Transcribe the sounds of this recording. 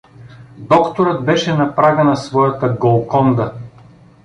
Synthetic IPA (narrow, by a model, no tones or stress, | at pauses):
d̪ɔkt̪oɾɤd̪̚bɛʃɛnɐpɾaɡənɐsvɔjɐt̪əɡolˠkɔnd̪ə